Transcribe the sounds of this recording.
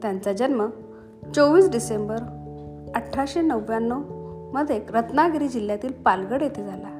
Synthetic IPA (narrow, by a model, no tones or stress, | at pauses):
t̪jãnt͡sad͡ʑənmə | t͡soʋiːsɖisembəɾ | əʈʰːaɕenəʋjanːoməd̪ʱjekɾət̪naɡɾiːd͡ʑil̤jat̪iːlpalɡəɽjet̪ʰed͡zʱala